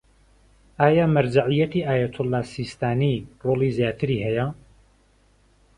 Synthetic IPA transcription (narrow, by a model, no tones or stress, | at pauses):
ʔaːjaːmɐɾd͡ʒaʕijɐt̪iːʔaːjɐt̪ʰʊlːaːsiːst̪aːniːroːlizjaːt̪ʰɨɾihɛjɐ